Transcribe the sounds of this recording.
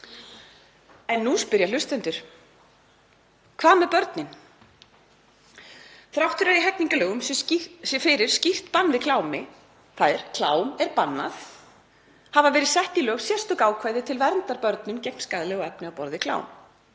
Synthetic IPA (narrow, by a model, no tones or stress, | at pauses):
ɛnːuspʏɾjal̥ʏst̪ɛnt̪ʏɾ̥ | kʰvaːðmɛðpœɾt̪nɪn | θɾawht̪ʏɾaɾiɦɛkniŋkʏlœːɣʏms | fɪɾɪɾ̥scir̥t̪panːvɪkʰlaːwmɪ | θaːðɪɾ̥kʰlaːwmɛɾpanːa̰θ | havavɛːɾɪsɛht̪ilœːɣsjɛst̪ɔkaːwkʰvajðɪt̪ʰɪlvɛɾnt̪aɾpœɾt̪nʏmcɛjk̚m̥skaðlɪɣɔɛpnɪawpɔɾðɪkʰla̰ːwm